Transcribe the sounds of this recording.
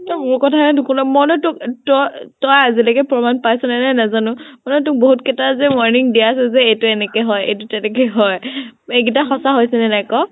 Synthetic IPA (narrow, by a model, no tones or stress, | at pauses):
tɔmuɹkɔtʰaɛdʊkʰunamɔnɔtʊktɔtɔjazilaɡɛpɹɔmanpajsɔnɛnajnazanʊmɔnɔtʊk̚boɦutkɛtazɛmɔɹniŋdijasɛzɛejtʊɛnɛkɛɦɔjḛjtʊtɛnɛkɛɦɔjeɡitaxɔsaɦojsɛnɛnajkɔ